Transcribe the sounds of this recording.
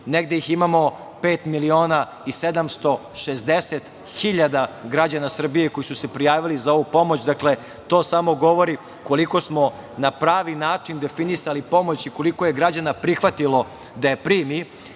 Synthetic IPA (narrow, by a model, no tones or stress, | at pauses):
neɡd̪ejiximamo̞ | pe̞ːt̪milio̞ːna | ise̞d̪amst̪o̞ʃezd̪eset̪ | xiʎad̪aɡɾad͡ʑanasr̩bijeko̞jisuse̞pɾijaːʋilizao̞ʋupo̞mo̞t͡ɕd̪akle̞ | t̪o̞ːsamo̞ɡo̞ʋo̞ɾi | ko̞liko̞smo̞ | napɾaːʋinaːt͡ʂind̪e̞finisalipo̞mo̞t͡ɕiko̞liko̞je̞ɡɾad͡ʑanapɾixʋat̪ilo̞ | d̪aje̞pɾiːmi